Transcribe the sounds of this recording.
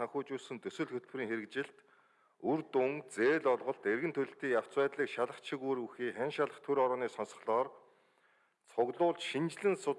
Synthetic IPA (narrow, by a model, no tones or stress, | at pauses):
aŋxʲʊːt͡ɕʊːsɵ̆nt̪ɵsɵ̆ɮxɵt̪̚priːŋxeɾɘ̆kt͡ɕɪ̆ɬt̪ | urt̪uŋt͡seːɮɔɮʁɞ̆ɬt̪erɣɘ̆nt̪ʰɵɮɘ̆ɬt̪iːjaw̥t͡swæːt̪ɮiːkʃaɮə̆χt͡ɕʰĭkuɾuxiːχænʃaɮə̆χt̪ʰɵɾɔɾɔːniːsɔnsɞ̆χɮɔːr | t͡sʰʊɣɮʊːɮt͡ɕʃint͡ɕɮɘ̆nsʊ